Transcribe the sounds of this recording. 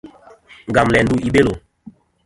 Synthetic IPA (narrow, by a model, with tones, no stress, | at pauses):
ŋ˨ɡa˨mlɛ˨n˦du˦ʔi˦ɓe˦lo˨